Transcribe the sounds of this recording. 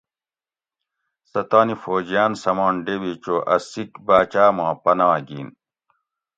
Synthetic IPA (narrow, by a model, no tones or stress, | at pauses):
sɐt̪aːnifoːd͡ʑjaːnsɐmaːɳɖewit͡ɕoːʔɐsikbaːt͡ɕaːmãːpɐnɐwɐɡiːn